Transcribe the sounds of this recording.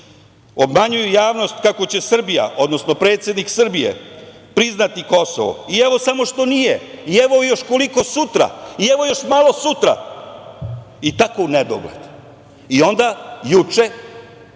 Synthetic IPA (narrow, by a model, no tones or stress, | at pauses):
o̞bmaɲujujaːʋno̞st̪kako̞t͡ɕe̞sr̩bija̰ʔo̞d̪no̞sno̞pɾe̞ːt̪sje̞d̪niksr̩bijḛ | pɾiznat̪iko̞so̰ʋo̰ieʋo̞samo̞ʃt̪o̞nijeieʋo̞jo̞ʃko̞liko̞sut̪ɾa̰ieʋo̞jo̞ʃmalˠo̞sut̪ɾa̰ | it̪akouned̪o̰ɡlḛd̪̥ | io̞nd̪ajut͡ʃe̞